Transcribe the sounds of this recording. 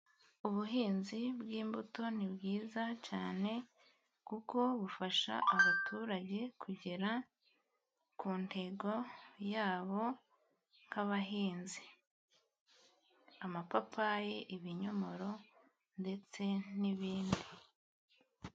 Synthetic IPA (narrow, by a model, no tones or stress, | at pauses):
uβuɦiːnzibɡiːmbuto̞nibɡiːzacaːne̞ | kuko̞βufaʃa̰ʔaβatuɾaɟe̞kʰuɟeɾa | kuːnde̞ɡo̞jaːβo̞ | ŋ̥haβaɦiːnzi | amapapajeʔiβiɲo̞mo̞ɾo̞ | nde̞t͡se̞niβiːndi